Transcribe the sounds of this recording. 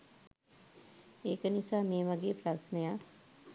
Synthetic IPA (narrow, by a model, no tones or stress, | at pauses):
eːkənisaːmijəʋaɡeːpɾasnəja